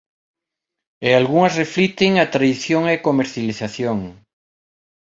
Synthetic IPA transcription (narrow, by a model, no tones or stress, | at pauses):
ealɣuŋɐsreflit̪eŋat̪ɾaðiθjoŋekomeɾθjaliθaθjoŋ